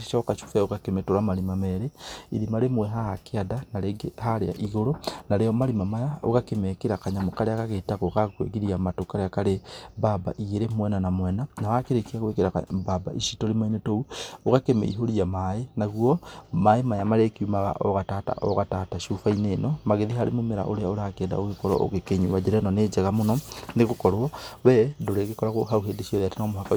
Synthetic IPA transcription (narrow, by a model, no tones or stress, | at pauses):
iʃaokaʃu̥faoɣakemetoɾamalimameɾeḭɾimaɾemwɛɦaakeadanaɾeɡehaɾḛa̰ʔiɣoɾonaɾeomalimamajao̰ɣakemekeɾakaɲamokaɾeakaɣetaɣokakwḛɣiɾiamatokaɾeakaɾebaba̰ʔiɣeɾemwɛnanamwɛnanawakeɾekiaɣwekeɾakbaba̰iʃitolimainetouokakemḛḭɦoɾiamaenaɣwomaemajamaɾekiumaɣa̰ʔoɣatata̰ʔoɣataːtaʃufaineːnomaɣeðihaɾemomeɾa̰ʔoɾeaoɾakeːda̰oɣekoɾo̰ʔo̰ɣekeɲuβad͡ʒeɾenonet͡ʃeɣamononeɣokoɾɔβɛdoɾeɣekoɾaɣoɦauɦeːdeʃioðatenamohaka